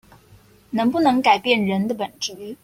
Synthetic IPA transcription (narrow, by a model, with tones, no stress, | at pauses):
nɤ˧˥ŋpu˥˩nɤ˧˥ŋka˨˩ɪpjɛ˥˩nɻə˧˥nd̪ə˧pə˨˩nʈ͡ʂi˧˥